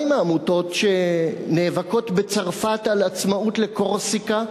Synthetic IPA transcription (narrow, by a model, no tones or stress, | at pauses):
jmaːmuto̞tʃe̞neːvako̞tbet͡saʁfatalat͡smautle̞ko̞ʁsika